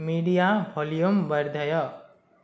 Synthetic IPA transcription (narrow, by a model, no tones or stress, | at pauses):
miɽijabʱɔlijumbəɾd̪ʱʌjʌ